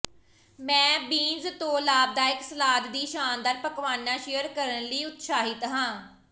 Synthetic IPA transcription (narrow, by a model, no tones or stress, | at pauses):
mɛ̃ːbiːnzt̪õːlaːb̚d̪aːɪksəlaːd̪d̪iːʃaːnd̪əːɾpəkʋaːnaːʃɪjəɾkəɾənləiːʊt̪ʃaːɦɪt̪ɦãː